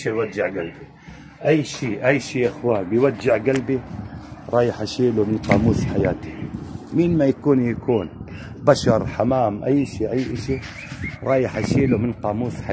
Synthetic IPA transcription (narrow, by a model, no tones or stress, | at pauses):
ʃiwadːɪʕɡalbi | ʔajːʃiːʔajːʃiːʔaxwaːbɪjwad͡ʒːɪʕɡalbiɾˤɑːjɪħaʃiːlumɪnqɑːmuːsħajaːt̪i̥minmajakuːnjakuːn | baʃɑɾˤħamaːmʔajːʃiːʔajːʔɪʃi | ɾˤɑːjɪħaʃiːlumɪnqɑːmuːsħa